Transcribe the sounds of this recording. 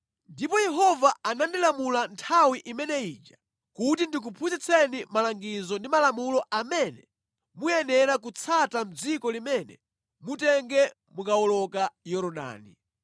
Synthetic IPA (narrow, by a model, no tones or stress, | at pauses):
ndipɔjɛɦɔvaanandilamulantʰawiʔimɛnɛit͡ʃa | kut̬indik̬upʰut͡ʃit͡sʰɛnimalaŋɡizɔndimalamulɔʔamɛnɛ | mujɛnɛɾak̬ut͡sʰatam̩d͡zikɔlimɛnɛ̰ | mutɛŋɡɛ | mukaɔlɔkajɔɾɔɗa̰ːnḭ